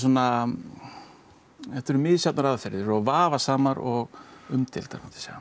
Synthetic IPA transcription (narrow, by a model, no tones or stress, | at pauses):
s̬uɔna | ɛft̪ʏɾʏmɪðsjawt̪naɾaðfɛɾðɪɾɔɣvaːvasaːmaɾɔɣʏmt̪ʰɪ̰lt̪a̰kat̪ɪ̥sja̰